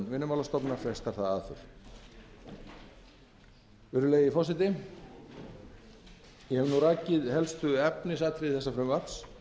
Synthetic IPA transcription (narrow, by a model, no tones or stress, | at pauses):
nvɪnːʏmawlast̪ɔpnḁfɛst̪aɾ̥θaðaðθʏ̰ɾ̥ | vɪɾʏleːjɪifɔsɪt̪ɪ | jɛhɛvnuraːcɪðɦɛlst̪ʏɛpnɪs̬at̪ʰɾɪθɛsːafɾʏmvat̪s